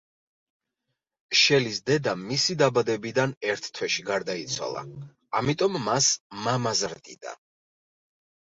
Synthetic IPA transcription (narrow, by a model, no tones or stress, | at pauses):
ʃɛlisd̪ɛd̪amisid̪abad̪ɛbid̪anɛɾt̪ʰt̪ʰwɛʃiɡaɾd̪ait̪sʰwa̰lˠa̰ | amit̪ʼɔmːasmamazɾd̪ʼḭd̪̥a̰